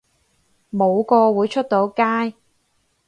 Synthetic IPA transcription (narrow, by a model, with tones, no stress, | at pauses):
mo˨˧wkɔː˧wuː˨˧jt͡ʃʰɵ˥t̚t̪o˨˥wkaː˥j